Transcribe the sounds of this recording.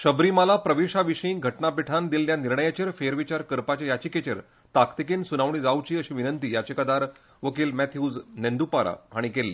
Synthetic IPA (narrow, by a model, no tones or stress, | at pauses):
ɕəbɾiːməlapɾəʋiɕaʋiɕəĩɡʱəʈɳapiʈʰand̪ilːjaniɾɳəjat͡ɕəɾfeɾʋit͡ɕaɾkəɾpat͡ɕjajat͡ɕiːket͡ɕə̰ɾ | t̪akt̪ikinsunaʋɳ̃iːd͡zawt͡ɕiːəɕiʋinənt̪iːjat͡ɕekəd̪aɾ | ʋəkiːlmæt̪ʰjud͡znẽnd̪upaɾa̰aɽ̃ikelːiː